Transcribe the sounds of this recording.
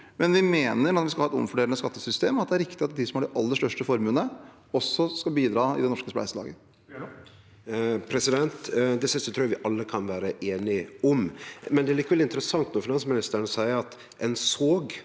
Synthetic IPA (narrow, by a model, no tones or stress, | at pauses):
mɛnʋɪmeːnəɾnɔt̪ʋɪskɑhɑːɛt̪ɔ̰mfɔɖeːlənəskɑt̪ːəsʏst̪eːmɑt̪̚d̪ɛæɾɪkt̪ɪɑt̪d̪ɪsɔmæɖɛʔɑlːəʂt̪œʂʈəfɔɾmʉːnə | ɔsːɔskɑbiːd̪ɾɑːɪ̰d̪ɛnɔʂkəsplæ̰ɪsəlɑ̰ːɡə | pʰɾɛsɪd̪ɛnt̪d̪ɛsɪst̪ɔt̪ʰɾuːjɑʋɪʔɑlːəkʰɑnʋæːɾəʔeːnɪɔmmɛnd̪ɛælikːəʋɛlɪnt̪əɾəsɑŋt̪nuːfɪnɑnsmɪnɪst̪əɾɳəsæɪəɑt̪ | ɛnsoːɡ